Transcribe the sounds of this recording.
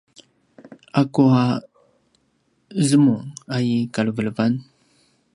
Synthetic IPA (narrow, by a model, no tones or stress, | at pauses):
akua | zəmuŋajikalvələvan